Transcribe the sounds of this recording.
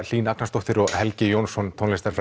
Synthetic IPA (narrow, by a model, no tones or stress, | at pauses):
l̥iːnaknast̪oht̪ɪɾɔɣhɛlcɪjownsɔnt̪ʰonest̪aɾfɾ